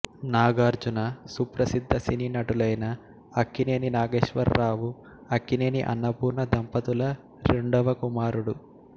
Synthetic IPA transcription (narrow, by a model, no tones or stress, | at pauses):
naːɡaːɾd͡ʒunɐsupɾɐsid̪ʱːɐsininɐʈulɐjnɐː | kːine̞ːninaːɡeːʃʋɐ̰ɾːaːʋu | ɐkːine̞ːniʔɐ̰nːɐpuːɾnɐd̪ɐmpɐt̪ulɐ | ɾeɳɖɔʋɐkumaːɾuɽu